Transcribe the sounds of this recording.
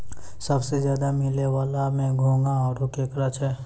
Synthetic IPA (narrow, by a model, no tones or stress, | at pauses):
sɐbsezjaːd̪amɪlewaːlamẽɡʱõːŋɡaɔːɾokeːkɾat͡ʃʰɛː